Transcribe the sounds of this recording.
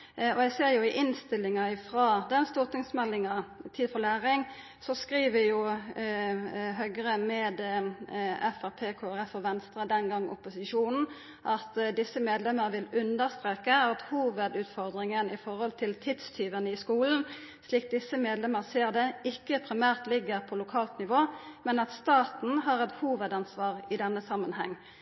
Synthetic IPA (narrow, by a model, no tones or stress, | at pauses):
ɔɛɡseːʁjʊɪʔɪnst̪ɪlːɪŋɑɪfʁɑːd̪ɛnst̪uːʁt̪ɪŋsmɛlːɪŋɑt̪ʰiːd̪fɔlæːʁɪŋ | sɔskʁiːʋəjʊ | ɦœɡʁəmɛːd̪ | ɛfæʁpʰeːkʰoːæʁɛfɔʋɛnst̪ʁəd̪ɛnɡɑŋːɔ̰pːʊsɪʃuːnn̩ | ʔɑt̪d̪ɪsːəmeːd̪lɛməʁʋɪlʉnd̪əʁst̪ʁeːkəɑt̪huːʋəd̪ʉːt̪fɔʁd̪ʁɪŋənəɪfɔʁhɔlt̪ʰɪlt̪ʰɪd̪st̪ʰyːʋənəɪskuːln̩ | sliːk̚d̪ɪsəmeːd̪lɛməʁseːʁd̪ɛɪkːəpʰʁɪmæːʁt̪lɪɡəʁpʰɔlʊkʰɑːlt̪nɪʋoːmɛnɑt̪st̪ɑːt̪n̩ɦɑʁɛt̪huːʋəd̪ɑnsʋɑːʁɪd̪ɛnːəsɑmənhɛŋː